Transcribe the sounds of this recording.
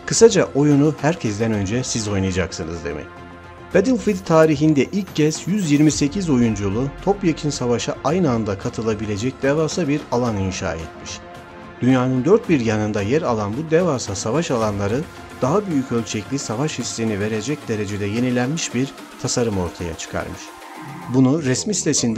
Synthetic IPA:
kʰɯsad͡ʒaʔo̞junuhæɾcʰɛs̬d̪ɛnø̞nd͡ʒɛsizo̞jnajad͡ʒaksɯnɯzd̪ḛmʔḭ | b̥ad̪ilʲfid̪t̪ʰːaːɾiɦind̪ɛʔilʲcːɛz̥jyzjiɾmise̞cʰizo̞jund͡ʒulˠut̪ʰo̞pjacʰinsavaʃɯʔajnɯand̪akʰat̪ʰɯlˠabilʲe̞d͡ʒɛc̚d̪̥evasabiɾalˠaninʃa̰ːɛ̰t̪miʃ | d̪̥ynjaːnɯnd̪øɾt̪̚biɾjanɯnd̪ajæɾalˠanbud̪evasasavaʃalˠanlˠaɾɯ | d̪̥aɦabyjycølʲt͡ʃʰɛclʲisavaʃhislʲinive̞ɾe̞d͡ʒɛc̚d̪e̞ɾe̞d͡ʒe̞d̪ɛje̞nilʲænmiʃbiɾ | t̪ʰasaɾɯmo̞ɾt̪ʰaja̰t͡ʃʰɯ̥kʰa̰ɾmɯʃ | bunuɾɛsmisi̥t̪ʰesind̪

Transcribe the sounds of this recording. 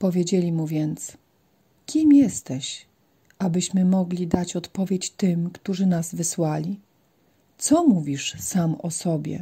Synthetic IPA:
pɔvʲjed͡ʑelʲimuvʲjɛnt̪s | kʲimjɛst̪ɛɕ | abɘɕmɘmɔɡlʲid̪at͡ɕɔt̪pɔvʲjet͡ɕt̪ɘmkt̪uʐɘnazvɘswalʲi | t̪sɔmuvʲiʂsamɔsɔbʲjɛ̰

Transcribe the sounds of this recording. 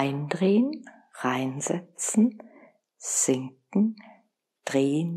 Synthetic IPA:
ɪndʁeːən | ʁaɪnzɛt͡sn̩ | z̥ɪŋk̚ŋ̩ | d̥ʁeːən

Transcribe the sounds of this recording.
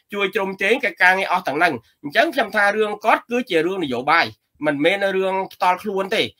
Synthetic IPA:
t͡ɕuəjt͡ɕrumt͡ɕeːŋkəc̚kaːŋiəʔɑht̪ɛ̆əŋnɨŋ | ɲt͡ɕəŋkʰɲomt̪ʰaːrɨəŋkŏət̪̚kɨːt͡ɕiəɾɨəŋnɨjoːɓaːj | mɨnmɛːnrɨəŋpʰt̪ŏəlkʰluənt̪eː

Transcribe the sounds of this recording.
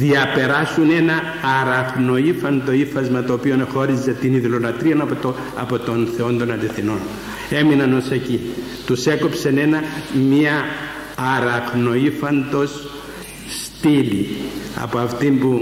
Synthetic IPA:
ðiɐpe̞ɾɐsune̞nɐː | ɾɐɣno̞ifɐnd̪o̞ifɐzmɐt̪oːpio̞nexo̞ɾizet̪iniðilonɐt̪ɾiɐnɐp̪ | ɐ̰po̞t̪o̞nθe̞o̞nd̪o̞nɐliθino̞n | e̞minɐno̞se̞ci | t̪use̞ko̞pse̞ne̞nɐmiɐː | ɾɐɣno̞ifɐnd̪o̞s | st̪ilḭɐ̰poɐft̪imbu

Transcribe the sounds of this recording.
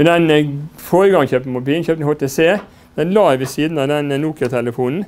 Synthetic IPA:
ɛnd̪ɛnfoːɾəɡɑŋçøːpn̩mʊbiːlnçøːpt̪hɑːt̪ʰeːseː | d̪̥ɛnlɑːʋɛsiːd̪n̩ɑʋd̪ɛnːuːk̪ət̪ʰɛləfuːnn̩

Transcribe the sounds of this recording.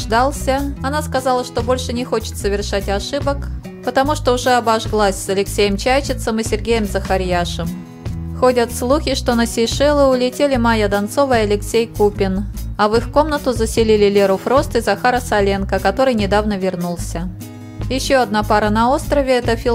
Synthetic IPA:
ʐd̪alˠsʲəɐnaskɐzɑlˠəʂt̪o̞bo̞lʲʂɨnʲɪxot͡ɕɪ̥t̪səvʲɪrʂatʲɐʂɨbək | pət̪ɐmuʂt̪oʊʐɛɐbaʐɡlˠasʲsɐlʲɪksʲejəmt͡ɕajt͡ɕɪt̪səmɨsʲɪrɡʲejəmzəxaɾʲjaʂɨm | xo̞dʲət̪slˠuxʲɪʂt̪o̞nəsʲɪʂɛlˠɨʊlʲɪtʲelʲɪmajəd̪ɐnt̪so̞vəɪɐlʲɪksʲejkupʲɪnɐvɨxko̞mnət̪ʊzəsʲɪlʲilʲɪlʲeɾʊfɾo̞st̪ɨzɐxaɾəsɐlʲenkəkɐt̪o̞ɾɨjnʲɪd̪avnəvʲɪrnulˠsʲə | jɪɕːoɐd̪̚napaɾənɐo̞st̪ɾəvʲɪɛt̪əfʲi

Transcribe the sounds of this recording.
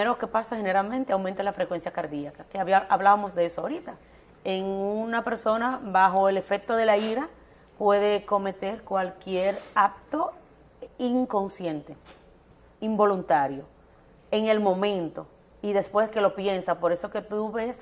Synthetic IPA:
eɾoke̞pasahe̞ne̞ɾalmẽ̞nt̪eawment̪elafɾekwe̞nsjakaɾðiakakeβaβlaβamo̞sðeesoaoɾit̪a | eŋunape̞ɾso̞naβaxo̞ele̞fe̞k̚t̪o̞ðe̞laiɾa | pwe̞ðe̞ko̞me̞t̪e̞ɾkwalkjeɾap̚t̪o̞ | iŋko̞nsje̞nt̪e̞ | imbo̞lunt̪aɾjo̞ | e̞ŋelmõ̞mẽ̞nt̪o̞ | iðe̞spwe̞ske̞lo̞pje̞nsapo̞ɾe̞so̞ke̞t̪uβe̞s

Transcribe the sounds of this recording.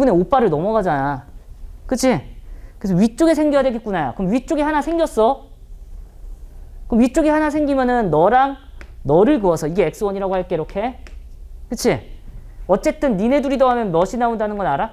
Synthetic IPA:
une̞op͈aɾɯɭnʌmʌɡad͡ʑana | kɯt͡ɕʰikesʰʌɥit͡ɕ͈oɡesʰeŋɡjiadweɡik͈unaja̰kɯʌmɥit͡ɕ͈oɡihanasʰe̞ŋɡjʌs͈ʌ | kɯmɥit͡ɕ͈oɡihanas̬ʰeŋɡimjʌnɯnːʌɾaŋnʌɾɯɭɡɯʌsʰʌiɡe̞e̞k̚s͈ɯwʌɲiɾaɡohaɭk͈eiɾokʰe̞ | kɯt͡ɕʰi | ʌt͡ɕ͈e̞t͈ɯnːine̞duɾidoɦamjʌnmʌɕʰinaondanɯnɡʌnaɾa

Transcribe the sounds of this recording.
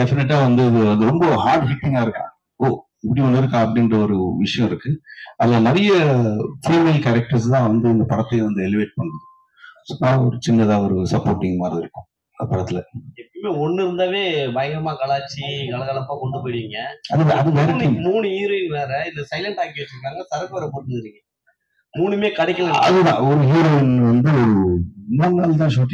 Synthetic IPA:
ɖɛfɪnɛʈ̬ːaːʋɐnd̪ɯɐðɯɐðɯɾɔmbɐhaːɾɖɦɪʈːɪŋɡaːɪɾɯkːã̰ː | oː | ɪpːɐɽiʋɐnd̪ɪɾɯkːãːɐpːɐɽɪndrɐɔɾɯʋɪʂɐjɔ̃ɪɾɯkːɯɐlːaːnɐɾɐjɐfiːmeːlkɛɾɛk̚ʈɐɾs̬t̪ãːʋɐnd̪ɯɪnd̪ɐpɐɽɐt̪ːɐɪʋɐnd̪ɯɛlɪʋeːʈ̚pɐɳːɾɐðɯ | sɔnːaːɔɾɯt͡ʃɪnːɐt̪ãːɔɾɯsɐpːoːɾʈːɪŋɡmaːɾɐðɪɾɯkːʊ̃ | ɐpːɐɽɐt̪ːɪlɐɛpːɐɐmeːɔɳːɯɾɯnd̪aːʋeːbɐjɐŋɡɐmaːkɐɭaːt͡ʃːikɐɭɐɣɐlɐpːaːkɔɳɖɯpoːjɾɪʋiŋɡɐɐðɯɐðɯʋeːɾɐʈːimmuːɳɯiːɾɯɪnnaːɾɐɪðɯsɐɪlɐɳʈaːŋɡɪʋɐt͡ʃːɪɾɯkːaːŋɡɐsɐɾɐkːɐʋɐɾɐpoːɽʈːɯnd̪ɪɾɯŋɡɐ | muːɳɯmeːkɐɽɪkʲːɐlɐnɐðɯnã̰ːɔɾɯɦiːɾoɛnʋɐnd̪ɯɔɾɯmɐnɡaːlt̪̬ãːʃoːʈːɪ

